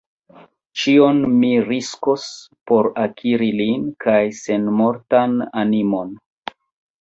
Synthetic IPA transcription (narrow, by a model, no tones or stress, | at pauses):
t͡ʃio̞nmiɾisko̞spo̞ɾakʰiɾilinkajse̞nmo̞ɾtananimo̞n